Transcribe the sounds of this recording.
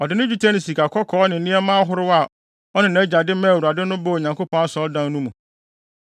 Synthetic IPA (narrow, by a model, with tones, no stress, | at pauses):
ɔ˨dɪ˨nʊ̃˦d͡ʑᶣu˦tʰɛ˦nɪ̃˨si˨kʰa˨kʰɔ˦kʰɔː˨˦nɪ̃˨n˦nɪ̃˦ɛ˦mãː˦ɦʊ˦ɾɪ˦wa˨ | ɔ˦nɪ̃˨nã˨˦d͡ʑa˨dɪ˦mã˦˨wu˨ɾa˨dɪ˦nʊ̃˦bo˦˨ɲã˨ŋko˦pʰɔ̃˦na˦sɔ̃˨ɔ˦dã˦n˦nũ˦mũ˨